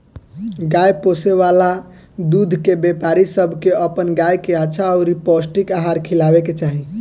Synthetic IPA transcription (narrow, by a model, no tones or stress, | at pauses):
ɡajposeʋala | d̪ud̪ʱkebepaɾisəbʱkeəpənɡajkeaːʃʰaɔɾipɔsʈikaɦaɾkʰilaβeket͡ʃaɦi